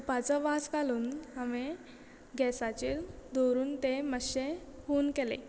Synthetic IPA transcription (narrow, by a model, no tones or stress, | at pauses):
pat͡səʋaskaluːname | ɡɛsat͡ɕeːld̪oɾuːnt̪eməɕehoːnkelḛ